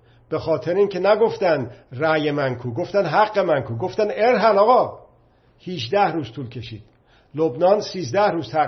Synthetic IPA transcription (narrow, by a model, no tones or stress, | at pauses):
b̥exɒːt̪ʰeɾiːŋcʰe̞næɡo̞ft̪ænd̪ræjemæŋkʰuːɡo̞ft̪ænd̪ɦæɡːemæŋkʰuːɡo̞ft̪æneɾɦælɒːɣɒː | hiʃd̪æhɾuːz̥t̪ʰuːlcʰe̞ʃiːd̪̥ | lobnɒːnsiːzd̪æhɾuːz̥t̪ʰæ